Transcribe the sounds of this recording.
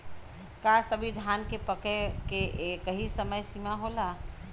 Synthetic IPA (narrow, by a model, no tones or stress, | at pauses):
kasəbʱid̪ʱankepəkekeʔkəɦisəməjsimaɦola